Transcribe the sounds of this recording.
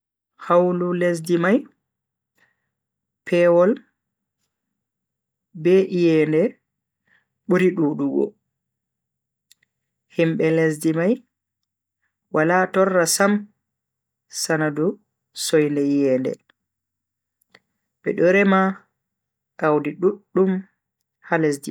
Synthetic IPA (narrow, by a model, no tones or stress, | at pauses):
hawlules̬dimaj | pʰɛwɔl | bɛʔijɛːndɛ | ɓuɾiɗuːɗuɡɔ̰ | himɓɛles̬dimaj | wʔalaːtɔrːasam | sanadu | sɔjndɛjɛːndɛ̰ | ɓɛ̰ɗɔɾɛma | ʔawdiɗuɗːum | halesdi